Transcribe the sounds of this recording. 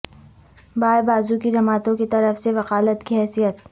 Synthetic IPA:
baːɾbaːzukid͡ʒɐmaːt̪õket̪ɐɾəfseʋɐqaːlət̪kiɦɛːsijət̪

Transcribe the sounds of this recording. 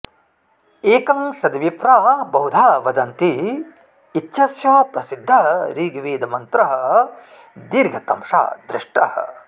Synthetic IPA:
eːkɐmsɐd̪ʋip̪ɾaːbɐɦud̪ʱaːʋɐd̪ɐnt̪iː | t̪ʃɐsjɐːpɾɐsid̪ʱːɐɦɐɾiːɡɐʋeːd̪ɐmɐnt̪ɾɐɦɐ̆ | d̪iɾɡʱɐt̪ɐmʂa̰ːd̪ɾɪʂʈɐ̰hɐ̰

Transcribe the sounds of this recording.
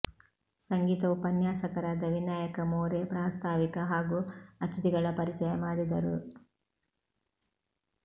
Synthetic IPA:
sɐŋɡiːt̪ɐupɐnjaːsɐkɐɾaːd̪ɐʋinaːjɐkɐmoːɾepɾaːst̪ʰaːʋikɐɦaːɡuːɐt͡ʃ̪it̪iɡɐɭɐpɐɾit͡ʃɐjɐmaːɽid̪ɐɾṵ

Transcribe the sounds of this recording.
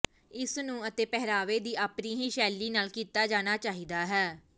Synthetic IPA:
ɪsnũːət̪eːpɛɦɾaːʋeːd̪iːʔaːpnĩːɦiːʃɛːliːnaːlkiːt̪aːd͡ʒaːñaːt͡ʃaːɦiːd̪aːɦɛː

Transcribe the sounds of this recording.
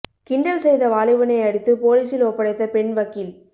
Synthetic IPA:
kɪɳɖɐlsɛjðɐʋaːlɪʋɐnɐɪɐɽɪt̪ːɯpoːliːsɪloːpːɐɽɐɪt̪ːɐpɛɳʋɐkːɪl

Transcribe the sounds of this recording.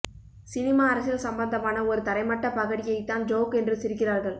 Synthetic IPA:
sɪnɪmaːɐɾɐsɪlsɐmbɐnd̪ɐmaːnɐɔɾɯt̪ɐɾɐɪmɐʈːɐpɐɣɐɽɪjɐɪt̪ːaːnd͡ʒoːkɛndrɯsɪɾɯkːɪraːɾɣɐɭ

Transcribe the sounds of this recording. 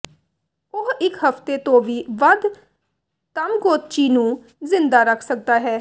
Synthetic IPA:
ʊɦɪkɦəft̪eːt̪õːʋiːʋəd̪ | t̪əmɡoːt̪̚t͡ʃiːnũː | zɪnd̪aːɾəkʰsək̚d̪aːɦɛː

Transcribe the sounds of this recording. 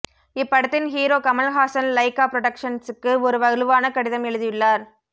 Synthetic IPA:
ɪpːɐɽɯt̪ːɪnɦiːɾoːkɐmɐlɣaːsɐnlɐɪkaːpɾɔɽɐkʂɐnsɯkːɯɔɾɯʋɐɣɯɭɯʋaːnɐkɐɽɪðɐmɛɻɯðɪʋɪɭːaːɾ

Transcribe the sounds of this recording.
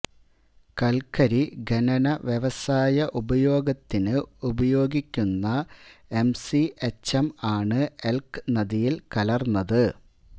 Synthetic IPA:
kɐlkʰɐɾiɡɐnɐnɐʋjeʋɐsaːjɐʔubɐjo̞ːɡɐt̪ːinɨubɐjo̞ːɡikʲːunːɐe̞msiet͡ɕɐmaːɳɨe̞lkɨ̥nɐðijilkɐlɐrnːɐðɨ

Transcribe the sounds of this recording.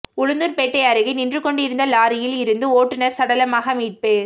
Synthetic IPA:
ʊɻɯnd̪ɯnpeʈːɐjaːɾɯɣɯnɪndrɯkːɔɳɖɪɾɯnd̪ɐlaːɾɪjɪlɪɾɯnd̪ɯoːʈːɯnɐɾsɐɽɐlɐmaːɣɐmiːʈ̚peː

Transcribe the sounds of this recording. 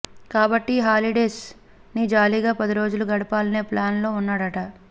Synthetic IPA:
kaːbɐʈːiɦaːliɖeːs | nid͡ʒaːliɡaːpɐd̪iɾo̞ːd͡ʒuluɡɐɽɐpaːlɐneːplaːnlo̞ːunːaːɽɐʈɐ

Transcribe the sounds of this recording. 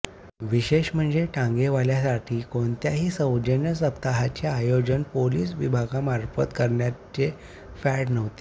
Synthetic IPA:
ʋiɕeɕm̤əɳd͡zeʈʰãŋɡeʋaljasaʈʰiːkoɳt̪jaɦiːsəwd͡ʑənjəsəpt̪aɦat͡ɕeajod͡ʑənpoliːsʋibʱaɡamaɾfət̪kəɾɳjat͡ɕe | fɛʈnəʋt̪e̥

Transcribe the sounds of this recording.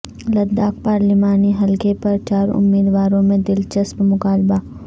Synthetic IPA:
lɐd̪ːaːk̚paːɾlɪmaːniɦɐlkepɐɾt͡ʃaːɾʊ̰mːiːd̪ʋaːɾõmẽd̪ɪlt͡ʃɐspmʊkaːlbaː

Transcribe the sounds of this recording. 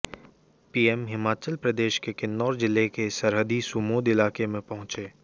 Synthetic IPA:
piːɛmɦɪmaːt͡ʃəlpɾɐd̪eːʃkekɪnd̪ɔːɾd͡ʒɪlːekesɐɾɦəd̪isumoːd̪ɪlaːkemẽpɐɦʊ̃t͡ʃeː

